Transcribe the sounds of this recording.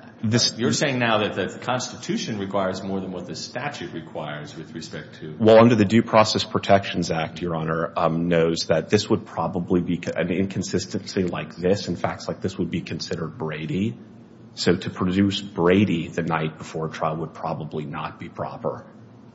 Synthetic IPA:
ðɨsjə˞seɪɪ̃ŋnaʊðɨt̪̚ðɨkʰɑ̃nstɨtʰʉʃɨ̃nɹɨkʰw̥aɪə˞zmɔɹðə̃nwʌt̪̚ðɨstæt͡ʃʉt̚ɹɨkʰw̥aɪə˞zwɨðɹɨspɛk̚tʰɨwɛlˠʌ̃ndə˞ðɨdʉpʰɹ̥ɔsɛspʰɹ̥ɨtʰɛkʃn̩zæk̚tʰjə˞ɑnə˞noʊzðɨt̪̚ðɪswəd̚pʰɹ̥ɑbəblibiɨ̰̃nɪ̰̃nkʰɨ̃n̩sɪstɨ̃ntslilaɪk̚ðɪsɨ̃n̩fæ̰k̚tslaɪk̚ðɪswəd̚bikʰɨ̃n̩sɪɾə˞d̚bɹeɪɾi | soʊɾɨpʰɹ̥ɨdʉsb̥ɹeɪɾiðɨnaɪt̚b̥əfɔɹtʰɹ̥aɪlˠwəd̚pʰɹ̥ɑbəblinə̰t̚b̥ipʰɹ̥ɑ̰pə̰˞

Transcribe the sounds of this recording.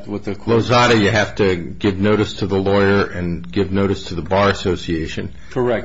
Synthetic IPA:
wʌɨloʊzɑɾɨjɨɦæftɨɡɪvnoʊɾɨstʰɨðəlɔɪə˞ʔɨ̃nɡɪvnoʊɾɨstʰɨðəbɑɹɨsoʊsieɪʃɨ̃n | kʰə˞ɛk̚

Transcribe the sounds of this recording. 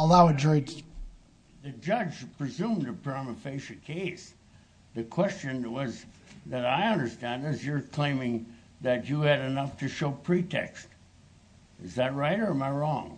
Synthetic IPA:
əlaʊɨdɹoɪd͡ʒ | ðɨd͡ʒʌd͡ʒpʰɹ̥izũmdɨpʰɹ̥ãmɨfeɪʃɨkʰeɪs | ðɨkʰw̥ɛst͡ʃɨ̃nwʌzðɨɾaɪʌ̃ndə˞stæ̃ndɨzjə˞kʰl̥ẽɪ̃mɪ̃ŋ | ðɨt͡ʃɨːɾɨnʌftʰɨʃoʊpʰɹ̥itʰɛ̰kst | ɨzðɨt̚ɹaɪɾə˞ə˞maɪɹɔ̃ŋ

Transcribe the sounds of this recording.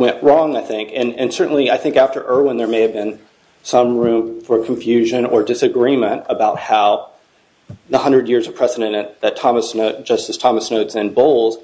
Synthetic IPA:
wɛ̃nʔɹɔ̃ŋaɪθɪ̃ŋkɨ̃nɨ̰̃nsɜ˞ʔn̩liaɪθɪ̃ŋkæftə̰˞ʔɜ˞wə̃nðə˞meɪɨvbɨ̃n | sʌ̃mɹʉ̃ɱfə˞kʰɱfjʉʒɨ̃nə˞dɨsɨɡɹimɨ̃ntəbaʊt̚haʊ | ðəhʌ̃ndɹɨdjɪɹzʌ̥pʰɹ̥ɛzɨɾɨ̃nɨ̃ðɨtʰɑməsnoʊt̚d̥ʒ̥ʌstɨz̥tʰɑməsnoʊtsɨ̃nboʊlˠz̥

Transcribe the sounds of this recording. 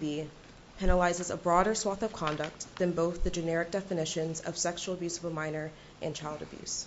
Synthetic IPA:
bi | pʰɛnəlaɪzɨzə̰bɹɔɾə˞swɑθʌv̥kʰɑ̃ndək̚t̪̚ðɨ̃nboʊθðɨd͡ʒɨnɛɹɨk̚d̥ɛfɨnɪʃɨ̃nzʌ̰v̥sɛkʃul̩ˠəbjʉsʌvəmãɪ̃nə˞ | ʔɨ̃nt͡ʃʰaɪlˠdɨbjʉ̰s

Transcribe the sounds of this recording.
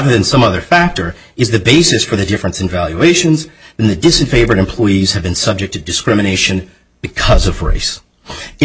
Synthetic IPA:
ðə˞ðɨ̃nsʌ̃mʌðə˞fæk̚tə˞ | ɨzðɨbeɪsɨsfə˞ðɨdɪfɹɨ̃nsɨ̃n̩vælˠjʉeɪʃɨ̃nzðɨ̃nðɨdɨsɨ̃nfeɪvə˞ɾɨ̃mpʰl̥ɔɪiz̥ɨvbɨ̃nsʌb̚d͡ʒɨk̚tʰɨdɨskɹɪ̃mɨñeɪʃɨ̃n | b̥ɨkʰʌzʌvɹḛɪs

